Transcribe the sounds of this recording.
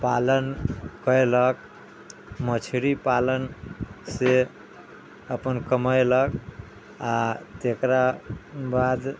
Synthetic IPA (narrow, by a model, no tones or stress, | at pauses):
palənkəjlək | mət͡ʃʰɾipalənse | əpənkəməjlək | at̪ekɾabad̪